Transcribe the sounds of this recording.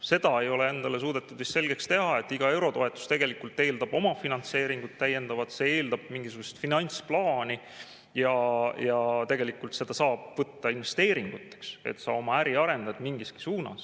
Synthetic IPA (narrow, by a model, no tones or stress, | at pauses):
se̞d̪̥ɑe̞jo̞lee̞nd̪̥ɑle̞s̬uːd̪̥et̪ːˑud̪ist̪se̞lɡ̥e̞kst̪e̞ɦɑe̞t̪ːˑiɡ̥ɑe̞wɾo̞t̪o̞e̞t̪ːˑu̥st̪e̞ɡ̥e̞likult̪ːˑe̞ːld̪ɑb̥o̞mɑfinɑnt̪se̞ːɾiŋɡ̥ut̪t̪ːæjːe̞nd̪ɑvɑt̪se̞e̞ːld̪ɑb̥̚miŋɡisuɡuse̥t̪finɑnʲt̪splɑːni | jɑjɑt̪e̞ɡ̥elikˑult̪se̞d̪̥ɑsɑːb̥vɤt̪ːɑinve̞st̪e̞ːɾiŋɡ̥ut̪ːˑe̥ksḛt̪sɑ̰o̞mɑæɾiɑɾe̞nd̪̥ɑd̪̥miŋɡiski̥suːnɑ̰s